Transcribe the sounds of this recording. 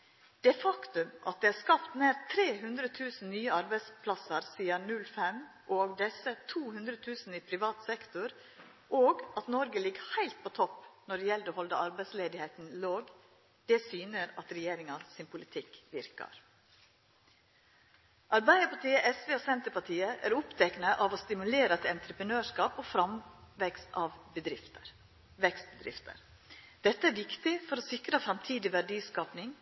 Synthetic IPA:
d̪̥ɛfɑkt̪ʉmʔɑ̰t̪̚d̪ɛːæɾskɑpt̪neːɾt̪ʰɾeːɦʉnd̪ɾət̪ʰʉːsn̩nyːəɑɾbæɪspʰlɑsəɾsiːɑnʉlfɛm | ʔoːɡd̪ɛsət̪ʰuːhʉnd̪ɾət̪ʰʉːsn̩iːpʰɾɪʋɑːt̪sɛkt̪ʊɾ | ʔoːɡɑt̪nɔɾɡəlɪɡhæɪlt̪̚pʰot̪ʰɔpnɔɖɛjɛld̪oːhɔld̪əʔɑɾbæɪsleːd̪ɪheɪt̪n̩loːɡ | d̪̥ɛːsyːnəɾɑ̰t̪ɾɛjeːɾɪŋɑsɪnpʰʊlɪt̪ʰɪkʋɪɾkɑ̰ɾ | ʔɑɾbæɪd̪əpɑʈiːəʔɛsʋeːosɛnt̪əpɑʈʰiːəʔæ̰ːɾʊpt̪ʰɛknəʔɑʋost̪ɪmʉleːɾət̪ɛnt̪ɾəpənøːʂkɑːpofɾɑmʋɛkst̪ɑʋbəd̪ɾɪt̪əɾ | ʋɛkst̪̚bəd̪ɾɪ̰ft̪ə̰ɾ | d̪̥ɛt̪ːəæɾʋɪkt̪ɪfɔɾoːsɪkɾəfɾɑmt̪ʰiːd̪ɪʋæɖiːskɑːpnɪŋ

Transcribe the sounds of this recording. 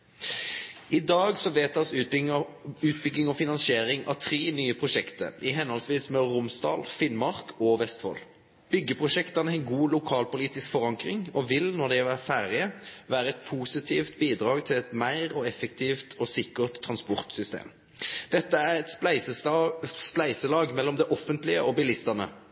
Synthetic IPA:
ɪd̪ɑːɡsɔʋeːt̪ʰɑs | ʉːt̪̚bʏɡnɪŋɔfɪnɑnsɪeːɾɪŋɑ̰ʋt̪ʰʁieːnyːəpʰʁʊʃɛkt̪ə̰ɪɦɛnɔlsʋiːsmɛʁʊmsd̪ɑ̰ːlfɪnmɑʁkʰɔʋɛst̪fɔ̰ːl | b̥ʏɡːəpʰʁʊʃɛkt̪ɑnəɛnɡuːlʊkʰɑːlpʊliːt̪ɪskfɔʁɑŋkʁɪŋɔʋɪlnɔʁd̪ɛʋæːfæːɾɪəʋæːɾəɛt̪pʰusɪt̪ʰiːft̪̚biːd̪ʁɑːɡt̪ʰɪlɛt̪mæɪʁɔɛfɛkt̪ʰiːft̪ʰɔsɪkəʁt̪ʰːʁɑnspɔʁt̪sʏst̪ḛːm | d̪̥ɛt̪ːəæʁɛt̪ | splæɪsəlɑːɡmɛlːɔmd̪ɛʔɔfːənt̪lɪəʔɔbɪlɪst̪ənə̰

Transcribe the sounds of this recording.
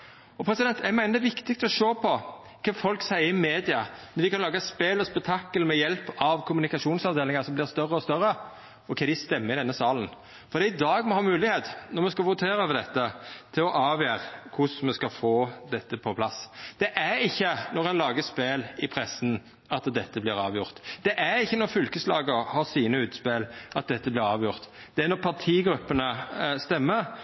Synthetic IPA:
ɔpʰɾɛsɪd̪ɛnt̪ʰæɾmæɪnəd̪ɛʋɪkt̪ɪkst̪ɔʂoːpʰɔ | kʰɑfɔlksæɪɾəɪmeːd̪ɪɑnɔʋɪkʰɑnlɑːɡəspeːlɔspɛk̚t̪ʰɑkːəlmɛjɛlpɑʋkʰʊmʉnɪkɑʂuːnsɑʋd̪eːlɪŋəsɔmblɪʁst̪œrəɔst̪œɾə | ɔkʰɛd̪ɪst̪ɛmːəɾɪd̪ɛnːəsɑːlən̩ | fɔɾd̪ɛɪd̪ɑːɡmɔhɑːmʉːlɪɡheːt̪nɔʁmɛskɑʋʊt̪ʰeːɾəøːʋəɾd̪ɛt̪ːət̪ʰɪlɔʔɑːʋjæːʁkʰʊsmɛskɑfoːd̪ɛt̪ːəpʰɔpʰlɑsd̪̥ɛʔæɾɪçːənɔʁɛnlɑːɡəspeːlɪpʰɾɛsn | ɑt̪d̪ɛt̪ːəblɪɾɑːʋjʊʁt̪d̪̥ɛʔæɾɪçːənɔʁfʏlkəslɑ̰ːɡəɾhɑːsiːnəʉːt̪speːlʔɑt̪̚d̪ɛt̪ːəblɪɾɑːʋjʊʁt̪ | d̪̥ɛæɾnɔʁpʰɑʈ̪ʰiːɡɾʉpːənəst̪ɛmːəɾ

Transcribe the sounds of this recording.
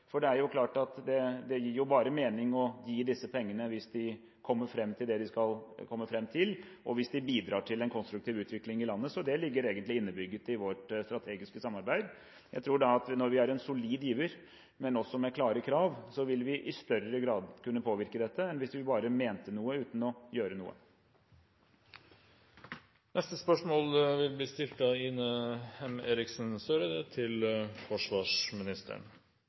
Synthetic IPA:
fɔɖɛæɾjʊkʰlɑːʈɑt̪d̪ɛd̪ɛjɪɾjʊbɑːɾəmeːnɪŋɔjiːd̪ɪsːəpʰɛŋːənəʋɪsd̪ɪ | kʰɔmːəɾfɾɛmːt̪ʰɪld̪ɛd̪ɪskɑlkʰɔmːəfɾɛmːt̪ʰɪl | ʔɔʋɪsd̪ɪbiːd̪ɾɑːʈʰɪlɛnkʰɔnst̪ɾʉk̚t̪ʰiːʋʉːt̪ʋɪklɪŋɪlɑnːəsɔd̪ɛlɪɡːəɾeːɡənt̪lɪɪnːəbʏɡːət̪ɪʋɔʈst̪ɾɑt̪ʰeːɡɪskəsɑmɑɾbæɪd̪ | jæɪt̪ʰɾuːɖɑɑt̪nɔɾʋɪæɾɛnsʊliːd̪jiːʋəɾ | mɛnɔsːɔmɛkʰlɑːɾəkʰɾɑːʋsɔʋɪlʋɪʔɪst̪œɾəɡɾɑːd̪kʉnːəpʰoːʋɪɾkəd̪ɛt̪ʰːəɛnʋɪsʋɪbɑːɾəmeːnt̪ənuːəʉːt̪n̩ɔjøːɾənṵːə̰ | nʔɛst̪əspœʂmoːlʋɪlbliːst̪ɪlt̪ɑɪnəɛmeːɾɪksnsøːɾəd̪ɛt̪ʰɪlfɔʂʋɑːʂmɪnɪst̪ʰə̰ɳ

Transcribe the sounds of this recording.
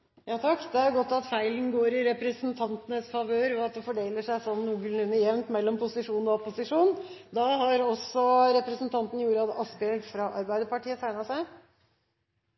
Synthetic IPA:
jɑːt̪ʰɑkːd̪ɛæɾjʊɡɔt̪ːɑt̪fæɪln̩ɡoːɾɪɾɛpɾɛsnt̪ʰɑnt̪ənəsfɑʋøːɾɔɑt̪̚d̪ɛfɔɖeːləʂæɪsɔnːuːɡln̩ʉnːəjɛʋnt̪mɛlːɔmpʊsɪʂuːnɔpʊsɪʂuːnd̪ɑɦɑɾɔsɔɾɛpɾəsnt̪ʰɑnt̪n̩juːɾəɑt̪ɑsbɛlɡ̪fɾɑʔɑɾbæɪd̪əpɑʈʰiːət̪ʰæɪnɑsæɪ

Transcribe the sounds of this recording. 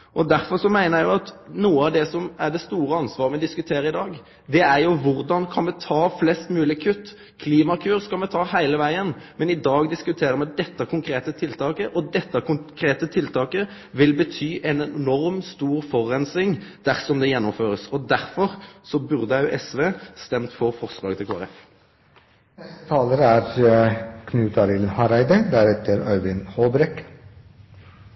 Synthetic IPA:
ʔɔd̪æɾfɔɾsɔmæɪnəæjʊɑt̪nuːəɑʋd̪ɛsɔmæʁɖɛst̪uːɾəɑnsʋɑːʁəmɛd̪ɪskʉt̪ʰeːɾəɪd̪ɑːɡ | d̪ɛæɾjʊʋʊʁd̪ɑnkʰɑnmɛt̪ʰɑːflɛst̪mʉːlɪkʰʉt̪ː | kʰliːmɑkʰʉːɾskɑlmɛt̪ʰɑːhæɪləʋæɪənmɛnɪd̪ɑːɡd̪ɪskʉt̪ʰeːɾəɾmɛd̪ɛt̪ːəkʰʊŋkʰɾeːt̪ət̪ʰɪlt̪ʰɑːkəʔɔd̪ɛt̪ːəkʊkʰɾeːt̪ət̪ʰɪlt̪ʰɑːkə | ʋɪlbət̪ʰyːʔɛnɛnɔʁmst̪uːʁfɔʁːɛnsɪŋd̪̥æʁsɔmd̪ɛjɛnːɔmføːʁəsɔd̪æʁfɔʁsɔbʉʁd̪əɑʊʔɛsʋeːst̪ɛmt̪fɔʁfɔʁslɑːɡt̪ʰɪlkʰoːæ̰ʁɛf | nɛst̪ət̪ʰɑːləɾæɾ | kʰnʉːt̪ʰɑɾɪlnhɑɾæɪd̪əd̪æɾɛt̪ʰəɾœʏʋɪnhɔːbɾɛk

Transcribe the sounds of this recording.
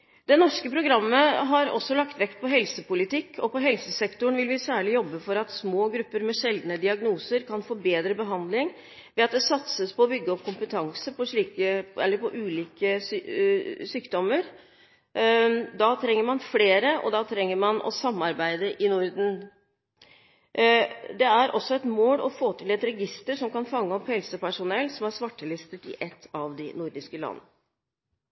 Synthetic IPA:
d̪ɛnɔʂkəpʰɾʊɡɾɑmːəɦɑɾɔ̰sːɔlɑkt̪ʋɛkt̪̚pʰɔɦɛlsəpʊlɪt̪ɪkːʰɔpɔɦɛlsəsɛkt̪ʊɳʋɪlʋɪsæːɭɪjɔbːəfɔɾɑt̪smoːɡɾʉpːəɾmɛʂɛld̪nəd̪ɪɑɡnuːsəɾkʰɑnfɔɾbeːd̪ɾəbəɦɑnd̪lɪŋ | ʋɛɑt̪̚d̪ɛsɑt̪səspɔːbʏɡːəɔp̚kʰʊmpət̪ʰɑŋsəpʰɔʂɭiːkəɛ̰lːəɾpʰɔʔʉːliːkəs | syːkd̪ɔmːəɾ | d̪ɑt̪ʰɾɛŋːəɾmɑnfleːɾəʔɔ̰d̪ɑt̪ʰɾɛŋːəɾmɑnʔɔ̰sɑmːɑɾbæɪd̪əʔɪnʊɾd̪n̩ | d̪ɛæɾʔɔsːɔɛt̪moːlɔfoːt̪ʰɪlɛt̪ɾɛɡɪst̪əʂɔmkɑnfɑŋːəɔphɛlsəpæʂʊnɛlːsɔmæɾsʋɑʈːəlɪst̪ət̪ɪ̰ʔɛt̪ʰːɑʋd̪ɪnʊɾd̪ɪskəlɑ̰nːə

